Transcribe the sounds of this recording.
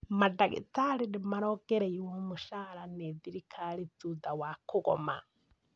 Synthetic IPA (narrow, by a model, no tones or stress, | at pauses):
madaɣḭtaɾindimaɾɔɡ̥ɛɾɛjiwɔmuʃaɾaneðiɾikʰalid͡zudawakuɣɔ̰ma̰